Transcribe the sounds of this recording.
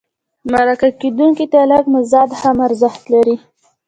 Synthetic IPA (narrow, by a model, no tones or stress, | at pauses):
maɾakaked̪uŋkit̪alaɡmɪzɑd̪hamaɾzəxt̪laɾi